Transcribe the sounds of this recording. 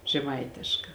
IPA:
ʒʲɛˈmɐɪtʲeːʃkɐ

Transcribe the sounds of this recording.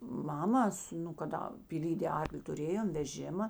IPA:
ˈmɑːmɐs nʊ kɐˈdɐ pʲiːˈlʲiːdʲeː ˈɐrklʲɪ tʊˈrʲeːjoːm ʋʲɛˈʒʲɪmɐ

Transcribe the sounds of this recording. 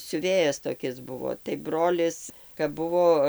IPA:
sʲʊˈʋʲeːjɛs toːˈkʲɪs ˈbʊʋoː tɐɪ ˈbroːlʲɪs kɐp ˈbʊʋoː

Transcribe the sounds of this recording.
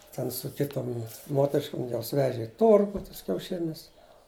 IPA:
ˈtʲɛn sʊ ˈkʲɪtoːm ˈmoːtʲɛrʲɪʃkoːm ˈjoːs ˈʋʲæːʒʲɛ ɪ ˈtoːrɡʊ ˈtuɔs kʲɛʊˈʃʲɪnʲʊs

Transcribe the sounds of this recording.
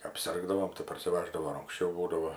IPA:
ɐpʲˈsʲɪrɡdɐʋoːm tɐɪ pɐrʲsʲɪˈʋɑːʒdɐʋoː ɪr ɐŋksʲˈt͡ʃʲɛʊ ˈbuːdɐʋoː

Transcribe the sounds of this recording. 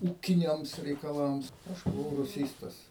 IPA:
ˈuːkʲɪnʲɛms rʲɛɪkɐˈlˠɐms ˈɐʃ bʊˈʋɐʊ rʊˈsʲiːstɐs

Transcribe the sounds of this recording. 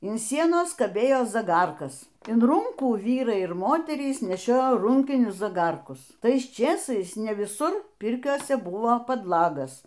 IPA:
ɪn ˈsʲiɛnoːs kɐˈbʲeːjoː zɐˈɡɐrkɐs ɪn ˈruːŋkuː ˈʋʲiːrɐɪ ɪr ˈmoːtʲɛrʲiːs nʲɛˈʃʲoːjoː ˈruːŋʲkʲɪnʲʊs zɐˈɡɐrkʊs ˈtɐɪs ˈt͡ʃʲeːsɐɪs nʲɛ ʋʲɪˈsʊr ˈpʲɪrʲkʲoːsʲɛ ˈbʊʋoː pɐdˈlˠɑːɡɐs

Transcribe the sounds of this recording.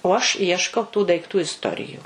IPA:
oː ɐʃ ˈiɛʃkɐʊ tuː dɐɪˈktuː ɪsˈtoːrʲɪjʊ

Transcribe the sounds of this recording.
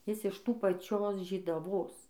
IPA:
ˈjɪs ɪʃ ˈtuː pɐˈt͡ʃʲoːs ʒʲiːdɐˈʋoːs

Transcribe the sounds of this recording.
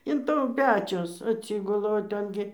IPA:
ɪn ˈtuː ˈpʲæːt͡ʃʲʊs ɐtʲˈsʲiːɡʊlˠɐ oː ˈtʲɛn ɡʲɪ

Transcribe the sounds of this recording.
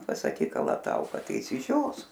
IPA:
pɐsɐˈkʲiːk kɐlˠɐˈtɐʊkɐ ˈtɐɪ ɪʃʲsʲɪˈʒʲoːs

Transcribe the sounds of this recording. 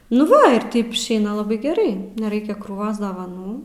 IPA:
nʊ ˈʋɐ ɪr ˈtɐɪp ɪʃʲˈɛɪnɐ lˠɐˈbɐɪ ɡʲɛˈrɐɪ nʲɛˈrɐɪkʲɛ kruːˈʋoːs dɐʋɐˈnuː

